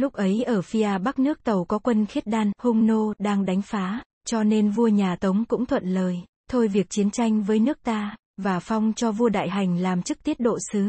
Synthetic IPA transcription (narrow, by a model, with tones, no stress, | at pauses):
lʊ˦˥k͡p̚ʔə˨˦jʔəː˧˩fi˧ʔaː˧˩ɓa˦˥k̚nɨ˦˥ək̚t̪ə˨˩wkɔ˨˦kwə˧nxi˦˥t̚ɗaː˧nhʊ˧ŋ͡mno˧ɗaː˧ŋɗa˨˦jŋ̟faː˨˦ | t͡ɕɔ˧ne˧nvu˧əɲaː˨˩t̪ə˨˦wŋ͡mkʊ̰˧˥ŋ͡mt̪ʰwə̰˧˨nləː˨˩j | t̪ʰo˧jvi˨˩ək̚t͡ɕi˨˦ənt͡ɕa˧jŋ̟vəː˨˦jnɨ˦˥ək̚t̪aː˧ | vaː˨˩fa˧wŋ͡mt͡ɕɔ˧vu˧əɗa̰ː˧˨jɦa˨˩jŋ̟laː˨˩mt͡ɕɨ˦˥k̚t̪i˦˥ət̚ɗo̰˧˨sɨ˨˦